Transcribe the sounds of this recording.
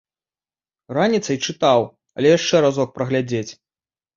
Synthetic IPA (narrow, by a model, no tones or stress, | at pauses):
ranʲit̪sɐjt͡ʂɨt̪aw | ɐ̰lʲɛjaʂt͡ʂɛɾazɔk̚pɾɐɣlʲad͡zʲet͡sʲ